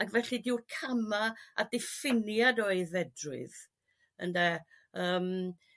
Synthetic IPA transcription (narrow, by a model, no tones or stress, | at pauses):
aɡvɛɬɨdɪwrkʰamaa̰dɪfɪnjadɔeɨðɛdrʊ̰ð | ə̰ndɛ | əːm